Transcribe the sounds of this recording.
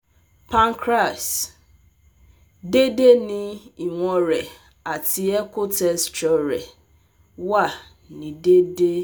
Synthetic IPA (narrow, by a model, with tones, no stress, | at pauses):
pʰã˦ŋ˦kʰɾa˨s | de˦de˦nɪ̃˦i˨ŋʷɔ˦ɾɛ˨ | a˨tʰɪ˨ɛ˦kʊ˦tɛ˦st͡ʃɔ˦ɾɛ˨ | wa˦˨ | nĩ˨de˦de˦